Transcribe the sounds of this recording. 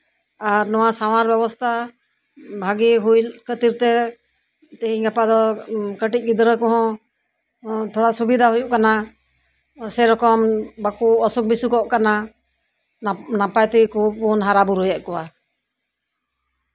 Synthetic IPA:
aɾnɔwasawaɾbɛbɔst̪ʰa | bʱaɡiɦujlkət̪iɾt̪ɛ | t̪ɛɦiɲɡapad̪ɔkəʈic̚ˀɡid̪ɾəkɔɦɔ̃ | t̪ʰɔɽasubid̪ʱaɦujuʔkana | sɛɾɔkɔmbakuɔsuk̚bisukɔʔkana | napajt̪ikub̚unɦaɾabuɾujaʔ̚kɔwa

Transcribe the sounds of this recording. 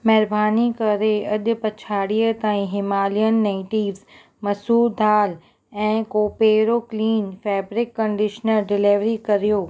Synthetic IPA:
mɛːɾbʱaːnikɐɾeɐɗ̪pɐt͡ʃʰaːɽiət̪aːĩɦɪmaːlijənːeɪʈiːɾz | mɐsuːd̪ʱaːl | ɛ̃ːkoːpeːɾokliːnfɛːbɾɪkːɐ̃ɳɖɪʃnəɾɖɪleʋɾikɐɾijoː

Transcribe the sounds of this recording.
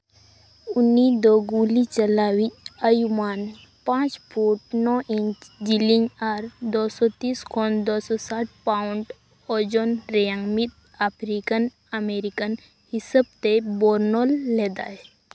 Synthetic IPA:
unid̪ɔɡulit͡ʃəlawit̚əjuman | pãːt͡ʃpʰuʈ̚nɔʔiɲt͡ʃd͡ʒiliɲaɾd̪ɔsɔt̪iːskʰɔnd̪ɔsɔsaʈ̚ʰpaʊɳɖ | ɔd͡ʒɔnɾɛjaŋmit̪̚ | apʰɾikən | əmeɾikən | hisəb̚t̪ebɔɾnɔlːɛd̪a

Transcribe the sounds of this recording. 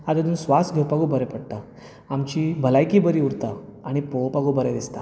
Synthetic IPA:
ad̪ed̪uːnsʋasɡʱowpaɡuːbʱəɾɛpəɽt̪a | amt͡ɕiːbʱəlajkiːbəɾiːuɾt̪aaɽ̃ipowpaɡubʱəɾed̪ist̪a

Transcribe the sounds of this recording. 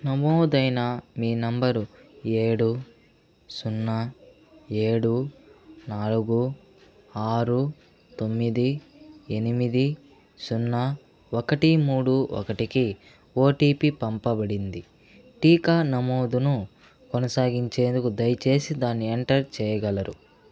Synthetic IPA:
nɐmoːd̪ɐjnɐmiːnɐmbɐɾue̞ːɽu | sunːɐ | e̞ːɽunaːluɡu | aːɾu | t̪o̞mːid̪ienimid̪i | sunːɐ | okɐʈimuːɽuʔɔ̰kɐʈiki | o̞ːʈiːpipɐmpɐbɐɽind̪i | ʈiːkaːnɐmoːd̪unu | konɐsaːɡiɲt͡ʃe̞ːnd̪ukud̪ɐjt͡ʃe̞ːsid̪aːnːieɳʈɐɾt͡ʃɛːjɐɡɐlɐɾu

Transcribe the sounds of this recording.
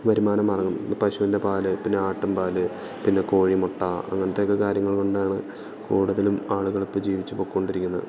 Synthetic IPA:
ʋɐɾimaːnɐmɐrɐŋːunːpɐɕuinde̞paːlɨpinːe̞aːʈːɐmpaːlɨ | pinːe̞ko̞ːɻimoʈːaːɐ̰ŋːɐnɐt̪ːe̞okːekaːɾjɐŋːɐɭko̞ɳɖaːɳɨ | kuːɽuðɐlumaːɭuɣɐɭipːɐd͡ʑiːʋit͡ɕːupo̞ːkːuo̞ɳɖiɾikʲːunːɐð

